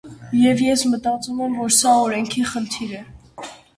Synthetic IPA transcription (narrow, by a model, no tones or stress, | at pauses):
jɛvjɛsmət̪ɑt͡sumɛmvɔɾsɑɔɾɛŋkʰiχənt̪ʰiɾɛ